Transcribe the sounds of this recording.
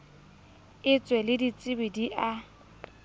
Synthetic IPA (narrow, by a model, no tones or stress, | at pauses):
ɪt͡sʼwɛlɪdit͡sʼɪbɪdiʔa